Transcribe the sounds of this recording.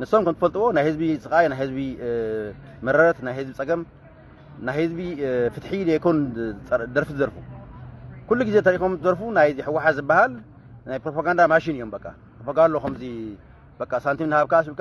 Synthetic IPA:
nɨsːo̞mkʰɐmt̪ɨfɐlt̪ʼɨwo̞najhɨzbit͡sʼɨkʼajnajhɨzbi | mɐɾɐɾɐt̪najhɨzbit͡sʼɐɡɐm | najhɨzbifɨt̪ħid̪ekʰonʼ | d̪ɐɾfit̪ɨzɐɾfu | kulːuɡizet̪ʰɐɾikomt̪ʰɨzɐɾfunajħɨwːaħat̪zɨbːahal | najpɾopaɡand̪amaʃinɨjːombɐkʼːa̰pɾopʰaɡanlokʰɐmzi | b̥ɐkʼːasant̪ʰimnhaβkʰasbika

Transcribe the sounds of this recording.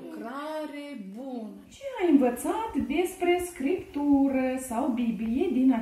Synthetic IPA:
kɾaɾebunət͡ʃeajɨnvət̪sat̪d̪espɾeskɾipt̪uɾəsawbiblijed̪ina

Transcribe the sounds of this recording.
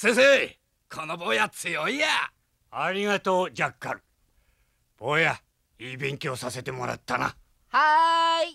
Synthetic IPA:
sesei | kʰonoboːjat͡sɨjoija | aɾʲiŋat̪oːd͡ʑakːã̰ŋ | b̥oːja | iːbẽ̞ŋkʲoːsase̞t̪e̞moɾa̰t̪ːana̰ | hai

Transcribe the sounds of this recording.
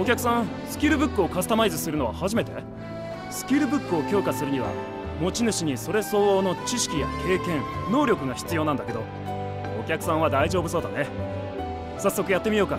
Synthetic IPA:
o̞kʲakɯ̟sãɰ̃ | sɨ̥kʲiɾɯ̟bɯ̟kːɯ̟o̞kazɨ̥t̪amaizɨsɨɾɯno̞βa̰haʑime̞t̪e̞ | sɨ̥kʲiɾɯ̟bɯ̟kːɯo̞kʲo̞ːkasɨɾɯ̟ɲ̟iβa̰ | mo̞t͡ɕinɯ̟ɕiɲ̟iso̞ɾe̞so̞ːno̞t͡ɕiɕi̥kʲija̰kʰe̞ːkẽ̞ɴno̞ːɾʲo̞kɯ̟ɡaçi̥t͡sɨjo̞ːnãnd̪aked̪o̞ | okʲakɯ̟̥sãɰ̃β̞ad̪aiʑoːbɯ̟so̞ːd̪ane̞ | sasːo̞kɯ̟jat̪ːe̞mʲijo̞ːka

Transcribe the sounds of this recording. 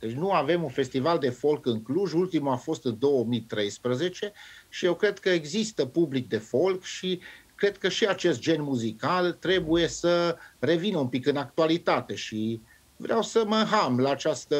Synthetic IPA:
d̪̥et͡ʃʲnuave̞munfe̞st̪ivald̪e̞fo̞lkɨŋkluʒult̪imuafo̞st̪ɨnd̪o̞wəmit̪ɾe̞jspɾəze̞t͡ʃe̞ʃijewkɾe̞d̪kəeɡzist̪əpublik̚d̪e̞fo̞lkʃikɾe̞d̪̥̚kəʃiat͡ʃe̞st̪̚d͡ʒe̞nmuzikalt̪ɾe̞buje̞səre̞vinəumpikɨnak̚t̪ualit̪at̪e̞ʃi | vɾeawsəmənɦamlaːt͡ʃast̪ə

